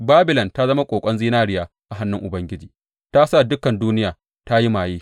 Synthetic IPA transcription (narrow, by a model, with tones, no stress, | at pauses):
baː˦bɪ˨lɐ˨nta˦zɐ˦ma˦kʷʼoː˨kʷʼɐ˦nziː˦naː˦ɾɪ˦jaː˨ | ʔa˨ɦa˦nːʊ˦ŋʔʊ˨bɐ˦ŋɡʲɪ˦d͡ʒiː˨ | ta˦sa˦˨dʊ˦kɐ˨nduː˦nɪ˦jaː˨ | ta˦ji˦maː˨jiː˦